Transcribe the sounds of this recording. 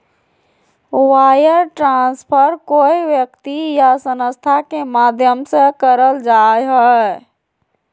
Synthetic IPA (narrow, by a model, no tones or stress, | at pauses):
wajəɾʈɾãnspʰəɾkoiʋjəkt̪ijasənəst̪ʰakemad̪ʱjəmsə̃kəɾəld͡ʒajɦə